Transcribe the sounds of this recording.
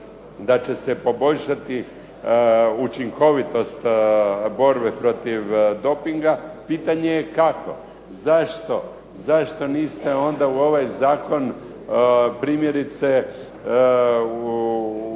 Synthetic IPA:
d̪at͡ɕe̞sepo̞bo̞ʎʃat̪i | ut͡ʃiŋkʰo̞ʋit̪o̞st̪bo̞ɾbepɾo̞t̪iʋd̪o̞piŋɡapiːt̪aɲejekakʰo̞̰ | zaʃt̪o̞ | zaʃt̪o̞niːst̪e̞o̞nd̪auo̞ʋajzaːko̞n | pɾiːmje̞ɾit̪se̞

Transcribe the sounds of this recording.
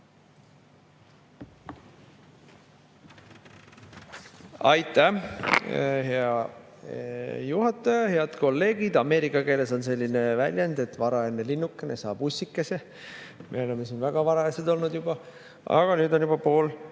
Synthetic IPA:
ɑjt̪ːˑæ | ɦe̞ɑ | juɦɑt̪ːˑɑjɑhe̞ɑd̪̥ko̞lːe̞ːɡ̥id̪ɑme̞ːɾikːˑɑke̞ːle̞so̞nse̞lʲːine̞vælʲjend̪e̞t̪vɑɾɑe̞nːelinːukːˑenesɑːb̥usːikːˑese | mʔe̞̰o̞le̞mːesinvæɡ̥ɑvɑɾɑɑsed̪o̞lnud̪jubɑ | ɑ̰ɡ̥ɑnyːd̪o̞njub̥ɑpo̞ːl

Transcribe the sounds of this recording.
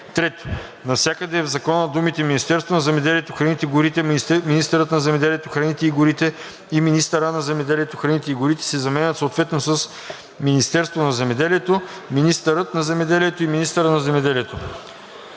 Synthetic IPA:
t̪ɾɛt̪o̥ | nɐfsʲjakəd̪ɛːvzɐkɔnəd̪umit̪ɛminʲist̪ɛɾst̪vonɐzɛmɛd̪ɛliɛt̪oxɾɐnit̪ɛɡʊɾit̪ɛminist̪əɾət̪nɐzɛmɛd̪ɛliɛt̪oxɾɐnit̪ɛiɡʊɾit̪ɛ | iminist̪əɾənɐzɛmɛd̪ɛliɛt̪oxɾɐnit̪ɛiɡʊɾit̪ɛ̥sɛzɐmɛnʲət̪soːt̪vɛt̪nosəs | minist̪ɛɾst̪vonɐzɛmɛd̪ɛliɛt̪o | minist̪əɾət̪nɐzɛmɛd̪ɛliɛt̪oiminist̪əɾənɐzɛmɛd̪ɛliɛt̪o

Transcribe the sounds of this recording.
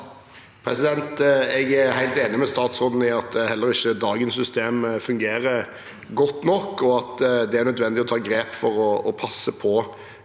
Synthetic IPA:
pʰɾɛsɪd̪ɛnt̪ɛɡæhæɪlt̪eːnɪmɛst̪ɑːt̪sʁoːd̪n̩ɪɑt̪hɛlːəɾɪçːəd̪ɑːɡənsːʏst̪eːmfʉŋɡeːɾə | ɡɔt̪ːnɔkːɔɑt̪d̪ɛæɾnœd̪ʋɛnd̪ɪɔt̪ʰɑːɡɾeːpfɔɾɔɔpʰɑsːəpʰɔ

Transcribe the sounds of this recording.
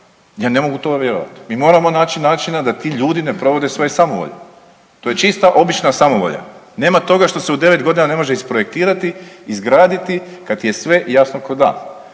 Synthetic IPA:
jaːne̞mo̞ɡut̪o̞ɡaʋʲjeɾo̰ʋa̰t̪i̥miːmo̞ːɾamo̞naːt͡ʃinaːt͡ʃinad̪at̪iːʎuːd̪ine̞pɾo̞ʋo̞d̪esʋo̞jesamoʋo̰ʎa̰ | t̪o̞ːje̞t͡ʃist̪aʔo̞bit͡ʃnasamoʋo̰ʎa̰ | ne̞ːmat̪o̞ɡaʃt̪o̞seud̪e̞ʋe̞t̪ɡo̞d̪inane̞mo̞ʒeispɾoje̞k̚t̪iːɾat̪iizɡɾaːd̪it̪ikad̪t̪ije̞sʋe̞ʔjasnokod̪a̰ːn

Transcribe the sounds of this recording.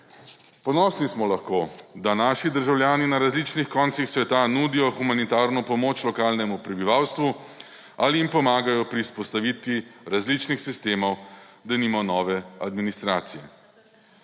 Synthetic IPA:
pɔnɔsnismɔlaxkoːd̪anaːʃid̪əɾʒawljaːninaɾazlit͡ʃnixkɔːnt̪sixsʋɛt̪anuːd̪ijɔxumanit̪aːɾnɔpɔmoːt͡ʃlɔkaːlnɛmupɾɛbiʋawst̪ʋu | aliimpɔmaːɡajɔpɾiuspɔst̪aʋit̪ʋiɾazlit͡ʃnixsist̪eːmɔwd̪aniːmanɔːʋɛad̪minist̪ɾaːt̪sijɛ

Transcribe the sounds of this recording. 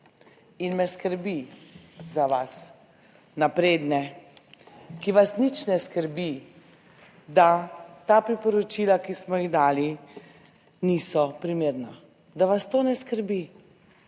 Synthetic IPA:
inmɛskəɾbi | zaʋas | napɾeːd̪nɛ | kiʋasnit͡ʃnɛskəɾbi | d̪at̪aːpɾipɔɾɔt͡ʃilakismɔjiɣd̪aːli | nisɔpɾimeːɾna | d̪aʋast̪oːnɛskəɾbi

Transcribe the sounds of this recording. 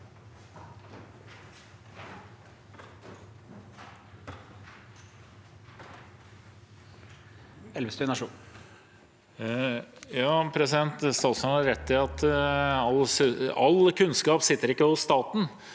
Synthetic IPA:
ɛlʋəst̪ʉnɑʂu | jɑːpʰɾɛsɪd̪ɛnt̪st̪ɑːt̪smɑhɑɾɛt̪ːɪɑt̪ɑlːsɑlkʰʉnskɑːpsɪt̪ːəɾɪkːəhʊsst̪ɑːt̪n̩

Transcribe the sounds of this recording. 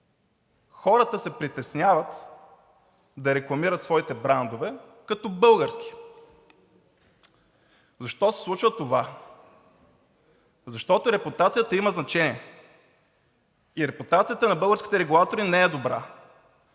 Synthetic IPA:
xɔɾət̪əsɛpɾit̪ɛsnʲavət̪ | d̪ɐɾɛklˠɐmiɾət̪svɔit̪ɛbɾand̪ovɛ | kɐt̪ɔbɤlˠɡəɾsk̟i̥ | zɐʃt̪ɔsɛ̥slˠut͡ʃvət̪ova | zɐʃt̪ɔt̪ʊɾɛpʊt̪at̪sijət̪əiməznɐt͡ʃɛniɛ | iɾɛput̪at̪sijət̪ənɐbɤlˠɡəɾskʲi̥t̪ɛɾɛɡulˠat̪oɾinɛɛd̪obɾa̰

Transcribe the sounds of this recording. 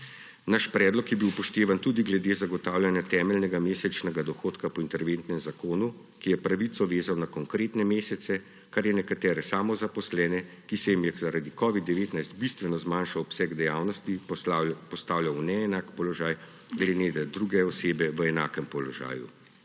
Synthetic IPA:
naʃpɾɛːd̪lɔkjɛbiwpɔʃt̪eːʋant̪ud̪iɡlɛd̪eːzaɡɔt̪aːwljanjat̪ɛːmɛlnɛɡameːsɛt͡ʃnɛɡad̪ɔxoːt̪kapɔint̪ɛɾʋent̪nɛmzakoːnu | kijɛpɾaʋit̪ɔʋeːzawnakɔŋkɾeːt̪nɛmeːsɛt̪sɛ | kaɾjɛnɛkat̪ɛːɾɛsaːmɔzapɔslɛːnɛ | kisɛjimjɛxzaɾad̪ikɔʋid̪ːɛʋeːt̪najst̪̚bist̪ʋɛnɔzmaːnʃawɔpsɛɡd̪ɛjaːwnɔst̪i | pɔst̪aːwljawnɛːnakpɔlɔʒaːj | ɡlɛd̪ed̪ad̪ɾuɡɛɔseːbɛʋəɛnaːkɛmpɔlɔʒa̰ːjṵ

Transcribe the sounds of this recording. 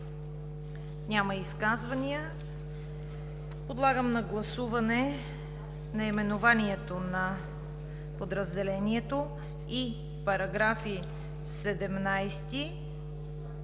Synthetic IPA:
nʲamɐiskazvɐniə | pod̪lˠaɡəmnɐɡlˠɐsuvɐnɛ | nɐimɛnovaniɛt̪onɐ | pod̪ɾəzd̪ɛlɛniɛt̪o | i | pɐɾɐɡɾafi | sɛd̪ɛmnajst̪i

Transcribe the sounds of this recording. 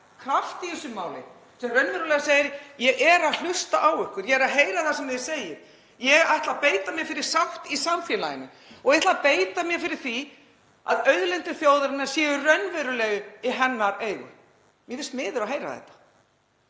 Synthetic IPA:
kʰɾaft̪iɪsʏmːaːwlɪ̰ | sɛmrœnvɛɾʏlɛɣasejɪɾjɛɣʔɛɾaðl̥ʏst̪aʔawʏhkʏɾjɛɛɾaðɦeːjɾaθasɛmvɪðɪ̥seːjɪm | jɛɣajht̪lapeːjt̪amjɛfɪɾɪɾ̥sawht̪isamfjɛla̰jɪnʏ | ɔɣɛht̪lapeːjt̪amjɛfɪɾɪɾ̥θi | a̰ðœɥðlɛnt̪ɪθjoːwðaɾɪnːaɾ̥sjɛːðʏrœnvɛɾʏlɛɣʏɪɦɛnːaɾeːjɣʏ̰ | mjɛθɪst̪mɪːðʏɾaɦejɾa̰θɛ̰ht̪ḁ

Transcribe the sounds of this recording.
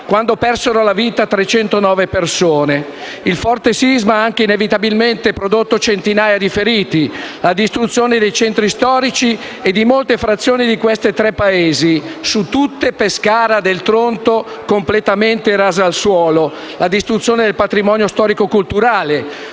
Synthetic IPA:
kwand̪opɛrseɾolaviːt̪at̪ɾet͡ʃɛnt̪onɔːvepersoːne | ilfɔrt̪esizmaaŋk̟einevit̪abilment̪epɾod̪ot̪ːot͡ʃent̪inaːjad̪ifeɾiːt̪ilad̪ist̪ɾut̪sːjoːned̪ejt͡ʃɛnt̪ɾist̪ɔːɾit͡ʃi | ed̪imolt̪efɾat̪sːjoːnid̪ikwest̪et̪ɾɛpːaeːzisut̪ːut̪ːepeskaːɾad̪elt̪ɾont̪o | komplet̪ament̪eɾaːzaːlswɔːlo | lad̪ist̪ɾut̪sːjoːned̪elpat̪ɾimɔːnjost̪ɔːɾikokult̪uɾaːle

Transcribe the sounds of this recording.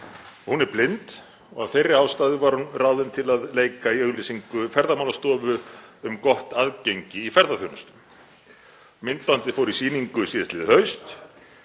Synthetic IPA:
hunɛɾplɪnt̪ | ɔɣaðθejrːɪhaːwst̪aːðɪvaɾ̥hunrawðɪnt̪ʰɪlaðleːjkaiœɣlisiŋkʏfɛɾðamawlast̪ɔːvʏʏmkɔht̪aðcejɲcɪifɛɾðaθjownʏst̪ʏ̥m | mɪnt̪̚pant̪ɪ̥fowɾisiːniŋkʏsiðɪ̥st̪lɪːðɪhœɥst̪

